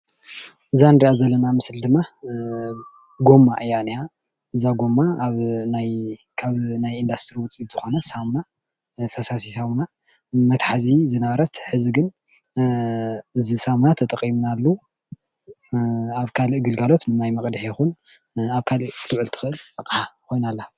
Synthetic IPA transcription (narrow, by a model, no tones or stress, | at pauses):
ʔɨzanɨɾiʔazɐlːɐnamɨsld̪ɨmːa | ɡo̞mːa̰ʔɨjaniha | ʔɨzaɡo̞mːaːβnaj | kʰaβnajind̪ast̪ʰɨɾiwʊt͡sʼiz̥ɨxo̞nɐsamna | fɐsasisamuna | mɐt̪ħazizɨnɐβɐɾɐt̪ħɨziɡɨn | ɨzisamunat̪ʰɐt̪ʼɐqʼimnalːu | aβkʰalɨʔɡɨlɡalo̞t̪nɨnajmɐkʼd̪ɨħjɛxun | aβkʰalɨʔt̪ʰɨʕɨlt̪ʰɨ̥xɨʔɨlʔɐqʼħakʰo̞jnalːa